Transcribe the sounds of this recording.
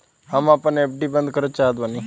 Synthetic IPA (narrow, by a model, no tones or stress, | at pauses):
ɦəmapənep̚ɖibənd̪kəɾət͡ʃaɦd̪ʋani